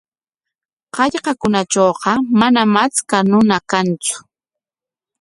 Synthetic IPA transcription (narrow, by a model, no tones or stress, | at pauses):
qɑʎqɑkʊnat͡ʃoːqɑmanamat͡skanʊnakant͡sʊ̥